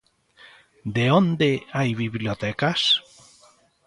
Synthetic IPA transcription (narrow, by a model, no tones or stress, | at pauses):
d̪eond̪eajβiβljot̪ɛkas